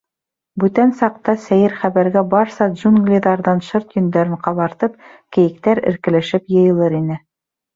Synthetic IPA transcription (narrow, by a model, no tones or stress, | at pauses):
bʉt̪ænsɑq̚t̪ɑsæjɘɾχæβæɾɡæbɑɾsɑdʒunɡlʲiðɑɾðɑnʃɤɾt̪jɵ̆nd̪æɾɘɴqɑβɑɾt̪ɤp̚kɘ̆jɘ̆k̚t̪æɾɘ̰̆ɾkɘ̆læʃɘpjɤ̆jɤ̆lˠɤɾinɘ